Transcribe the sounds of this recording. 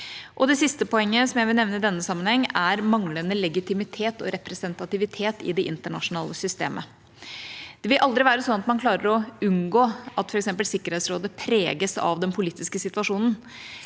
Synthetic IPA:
ʔɔd̪ɛsɪst̪əpɔɛŋːəsɔmjæɪʋɪlnɛʋnəɪd̪ɛnːəsɑmːənhɛŋːæɾmɑŋlənəlɛɡɪt̪ʰɪmɪt̪ʰeːt̪ɔ̰ɾʔɛpɾɛsənt̪ɑt̪ɪʋɪt̪ʰeːt̪ɪ̰d̪ɛʔɪ̰nt̪əɳɑ̰ʂʊnɑ̰ːləsʏst̪eːmʔə̰ | d̪̥ɛʋɪlʔɑld̪ɾɪʋæːɾəsɔnɑt̪mɑnkʰlɑːɾəɾɔʉnɡoːʔɑt̪fɔɾɛksɛmpəlsɪkːəɾhɛːt̪sɾoːd̪əpʰɾḛːɡəsɑ̰ʋd̪ɛnpʰʊliːt̪ɪskəsɪt̪ʋɑʂuːnən̩

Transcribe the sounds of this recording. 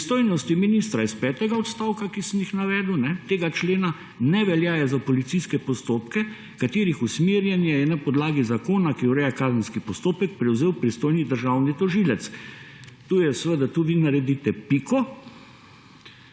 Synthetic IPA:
pst̪oːjnɔst̪iminist̪ɾaispɛːt̪ɛɡaɔt̪st̪aːwkakisəmjixnaʋɛːd̪uwnɛt̪eːɡat͡ʃleːna | nɛʋɛljaːjɛzapɔlit̪siskɛpɔst̪oːpkɛ | kat̪eːɾixusmeːɾjɛnjajɛnapɔd̪laːɡizakoːnakiwɾɛːjakaːzənskipɔst̪oːpɛkpɾɛwzeːwpɾist̪ojnid̪əɾʒawnit̪ɔʒiːlɛt̪s | t̪uːjɛsʋəd̪at̪uːʋiːnaɾɛd̪iːt̪ɛpikɔ

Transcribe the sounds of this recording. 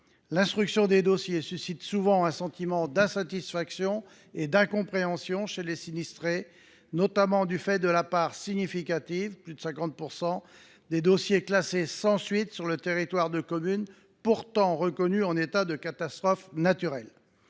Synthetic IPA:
lɛ̃st̪χyksjɔ̃d̪ed̪osjesysit̪suvɑ̃ɛ̃sɑ̃t̪imɑ̃d̪ɛ̃sat̪isfaksjɔ̃ | ed̪ɛ̃kɔ̃pχeɑ̃sjɔ̃ʃelesinist̪χe | nɔt̪amɑ̃d̪yfɛd̪əlapaʁsiɲifikat̪ivplyd̪əsɛ̃kɑ̃t̪̚puʁsɑ̃ | d̪ed̪osjeklasesɑ̃sɥit̪syʁlət̪eʁit̪waʁd̪əkɔmyn | puʁt̪ɑ̃ʁəkɔnyɑ̃net̪ad̪əkat̪ast̪χɔfnat̪yʁɛl

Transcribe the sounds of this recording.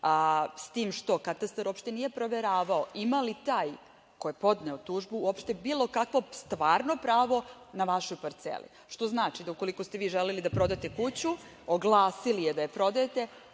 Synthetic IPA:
ast̪iːmʃt̪o̞kat̪ast̪aɾʔuopʃt̪e̞nije̞pɾo̞ʋeɾaːʋaoʔimalit̪aːj | kojepo̞d̪ne̞ot̪uːʒbuuopʃt̪e̞biːlˠo̞kakʋo̞st̪ʋaːɾno̞pɾaːʋo̞naʋaʃojpaɾt̪sḛlḭ | ʃt̪o̞znaːt͡ʃid̪aukolikost̪e̞ʋiːʒelelid̪apɾo̞d̪at̪e̞kut͡ɕu | oɡlˠaːsilije̞d̪ajepɾo̞d̪ajet̪e̞

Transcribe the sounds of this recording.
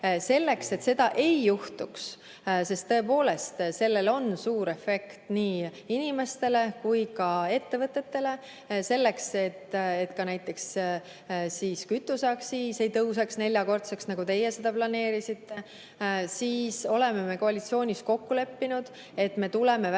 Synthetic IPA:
se̞lːe̞kse̞t̪se̞d̪̥ɑʔe̞jːuht̪uks | se̞st̪ːɤ̞e̞po̞ːle̞st̪se̞lːe̞lo̞nsuːɾe̞fe̞kt̪niːinʲime̞st̪e̞le̞kujkɑe̞t̪ːe̞vɤt̪ːˑe̞t̪ːe̞le̞ | se̞lːe̞kse̞t̪ːe̞t̪kɑnæjt̪ːˑe̞ks | siːskyt̪ːˑusɑksiːse̞jt̪ɤws̬ɑksne̞lʲjɑko̞rt̪seksnɑɡ̥ut̪e̞jese̞d̪̥ɑplɑne̞ːɾisit̪ːe̞ | siːso̞le̞meme̞ko̞ɑlit̪sio̞ːnʲisko̞kːule̞pːinud̪̥ | e̞t̪me̞t̪ule̞me

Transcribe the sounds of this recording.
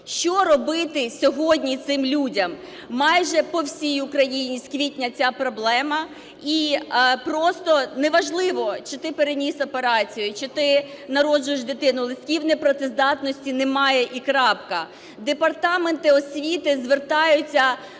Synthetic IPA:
ʃt͡ʃɔɾɔbɪt̪ɪsʲɔɦɔdʲnʲit̪sɪmlʲudʲɐmː | ɑjʒɛpɔwsʲijʊkɾɐjinʲiskʋʲitʲnʲɐt͡sʲapɾɔblˠɛmɐ | ipɾɔst̪ɔnɛʋɐʒlˠɪʋɔt͡ʃɪt̪ɪpeɾenʲisɔpeɾɑt͡sʲijʊt͡ʃɪt̪ɪ | nɐɾɔd͡ʒʊjeʃd̪et̪ɪnʊlˠɪsʲkʲiwnɛpɾɔt̪ɪzd̪ɑt̪nɔsʲtʲinemɑjɛʔikɾɑpkɐ | d̪epɐrt̪ɑment̪ɪɔsʲʋʲit̪ɪzʋert̪ɑjʊt͡sʲːɐ

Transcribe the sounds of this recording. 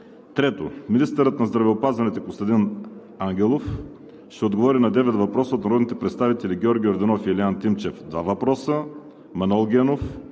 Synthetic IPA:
t̪ɾɛt̪ominist̪əɾət̪nɐzd̪ɾɐvɛopazvɐnɛt̪ɛkost̪ɐd̪in | aŋɡʲɛlˠof | ʃt̪ɛod̪ɡovɔɾinɐd̪ɛvɛt̪vɐpɾɔsəot̪nɐɾɔd̪nit̪ɛpɾɛt̪st̪avit̪ɛlʲiɡʲɔɾɡʲioɾd̪ɛnɔfiɛlɛant̪imt͡ʃɛfd̪vavɐpɾɔsə | mɐnɛlˠɡʲɛnof

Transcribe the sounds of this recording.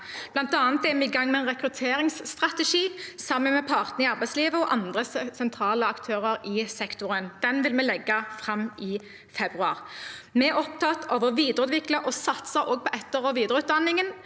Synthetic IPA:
b̥lɑnt̪ɑːnət̪ɛmɛɪɡɑŋːmɛɛnʁɛkʁʉt̪ʰeːɾɪŋsːt̪ʁɑt̪ɛʃiːsɑmːənmɛpʰɑʁt̪nəɪɑʁbæɪsliːʋəɔʔɑnd̪ʁəsɛnt̪ʰʁɑːləɑkt̪ʰøːʁəɾɪsɛkt̪ʊʁənd̪̥ɛnʋɪlmɛlɛɡːɑfʁɑmːɪ | fɛbʁʉɑ̰ːʁmɛɛɾɔp̚t̪ʰɑt̪ʰoːʋəʁʋiːd̪əʁʉːd̪ʋɪkləʔɔsɑt̪səɾʔoːɡ̚pʰɔʔɛt̪ːəʁɔʋiːd̪əʁəʉːt̪̚d̪ɑnɪŋən

